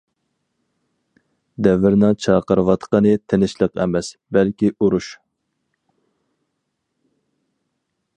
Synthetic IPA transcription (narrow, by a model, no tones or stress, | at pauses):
d̪ɛvɪɾnɨŋt͡ʃʰɑːqəɾɨwɑt̪qənɨt̪ʰenɪʃlˠəqɛ̰mɛsbɛlkʲiʔuɾuʃ